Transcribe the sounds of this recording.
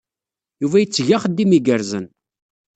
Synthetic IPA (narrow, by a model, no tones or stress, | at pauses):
juvæjət͡sːʝaχəd̪ːimiɡəɾzən